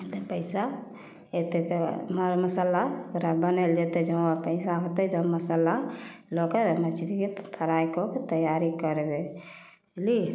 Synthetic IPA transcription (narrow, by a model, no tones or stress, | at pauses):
t̪əpəɪsa | et̪et̪ɔmaɾməsəlakɾabənəld͡ʒet̪ed͡ʒəapəɪsaɦot̪ɛd͡ʒəməsəlalokəɾmət͡ʃʰɾikepʰəɾaikoket̪əjaɾikəɾebe | li